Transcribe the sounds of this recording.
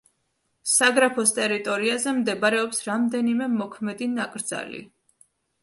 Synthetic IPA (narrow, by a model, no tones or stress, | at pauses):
saɡɾapʰɔst̪ʼɛɾit̪ʼɔɾiazɛmd̪ɛbaɾɛɔpsɾamd̪ɛnimɛmɔkʰmɛd̪inakʼɾd̪z̥a̰lḭ